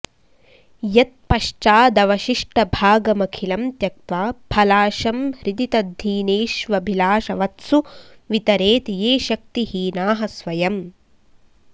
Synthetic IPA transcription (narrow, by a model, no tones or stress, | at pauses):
jɐt̪̚pɐʂt͡ʃaːd̪ɐʋɐʃiʂʈɐbʱaːɡɐmɐkʰilɐmt̪jɐk̚t̪ʋaːbʰʱɐlaːʃɐmhɾid̪it̪ɐd̪ʱːiːneːʃʋɐbʱilaːʃɐʋɐt̪su | ʋit̪ɐɾeːt̪ijeːʃɐk̚t̪ihinaːɦɐsʋɐjɐm